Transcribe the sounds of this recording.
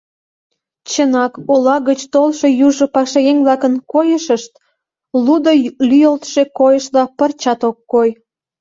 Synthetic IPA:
t͡ɕənɑkolɑɣət͡ɕt̪olʃojuʒŏpɑkʃɑjeŋblɑkənkojəʃəʃt̪̚ | lud̪olyjəlt̪ʃekojəʃlɑpərt͡ɕɑt̪okːoj

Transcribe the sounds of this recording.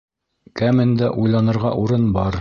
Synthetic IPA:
kæmɘ̆nd̪æʔujlˠɑnɤ̆ɾʁɑ̰ʔuɾɤnbɑɾ

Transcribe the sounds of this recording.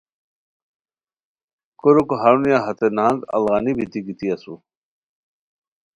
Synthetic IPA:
koɾokoɦaɾunijaɦɐt̪enaːŋɡɐ̰lɣanibʱit̪iɡit̪iɐsu

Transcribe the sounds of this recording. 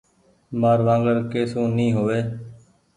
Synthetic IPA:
maːɾʋãːŋɡəɾkeːsũːnĩːɦoːʋeː

